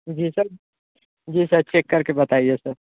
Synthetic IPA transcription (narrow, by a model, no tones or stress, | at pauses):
d͡ʒiːsɐɾ | d͡ʒiːsɐɾt͡ʃʰeːkːɐɾkebɐt̪aːiesəɾ